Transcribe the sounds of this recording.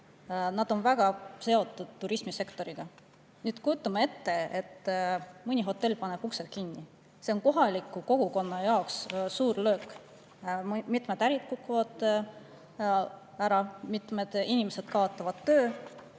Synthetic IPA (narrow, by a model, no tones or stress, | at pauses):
nɑd̪̥o̞nvæɡ̥ɑse̞o̞t̪ːˑud̪̥̚t̪ːuɾismise̞kt̪o̞ɾiɡ̥ɑ | nyːd̪kujut̪ˑːɑmɑe̞t̪ːe̞et̪ːmɯnʲiɦo̞t̪ːˑe̞lːpɑneb̥ukselt̪̚kinːi | se̞onko̞ɦɑlikːˑuko̞ɡ̥uko̞nːɑjɑokssuːɾlø̞ːk | mit̪med̪æɾit̪̚kukːuvɑd̪̥ | æɾɑmit̪med̪̥inʲimese̞d̪̥kɑot̪ːˑɑvɑd̪̥t̪ːøː